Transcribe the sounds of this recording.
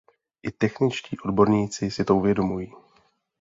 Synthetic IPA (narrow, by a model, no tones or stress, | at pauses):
ʔɪt̪ɛxnɪt͡ʃciːʔo̞dbo̞ɾɲiːt͡sɪsɪt̪o̞uvjɛdo̞mujiː